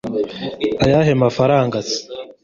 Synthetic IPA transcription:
ajaɦemafaɾaːŋɡasi̥

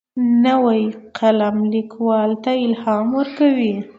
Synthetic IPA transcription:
nəwajqʰalamlikwɑlt̪aɪlhɑmwəɾkawi

